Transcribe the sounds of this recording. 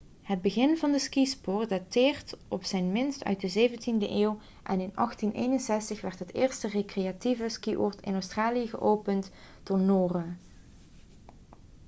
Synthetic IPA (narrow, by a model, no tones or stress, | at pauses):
həd̚bəɣɪnvɑndəskispʊːrdatɪːrtɔpsɛjnmɪnstœ̰ɥt̚dəzejvəntindəʔeːw | ʔɛ̰nɪnɑχtinʔḛːjnənsɛstəχʋɛrtɦətɪːɹstərekrejativəskiʔɔ̰ːɹtɪ̰nowstraːlijəɣə̰ʔowpənt | d̥ɔnoːra